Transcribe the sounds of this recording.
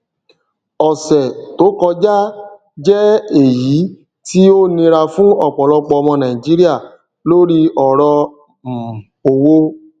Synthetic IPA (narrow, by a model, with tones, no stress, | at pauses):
ɔ˨sɛ˨to˨˦kɔ˧d͡ʒa˦ | d͡ʒɛ˦e˦˨ji˨˦ | ti˦o˦nĩ˧ɾa˧fũ˦ɔ˦˨k͡pɔ˨lɔ˧k͡pɔ˧ɔ˧mɔ̃˧nã˨ĩ˨d͡ʒi˦ɾi˦a˦˨ | lo˦ɾi˦ɔ˨ɾɔ̃˧˨ | o˧wo˦